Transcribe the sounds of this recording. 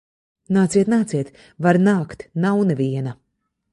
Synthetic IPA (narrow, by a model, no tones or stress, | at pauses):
naːt̪siɛt̪naːt̪siɛt̪ | vaɾnaːkt̪nawnɨvʲiɛnɐ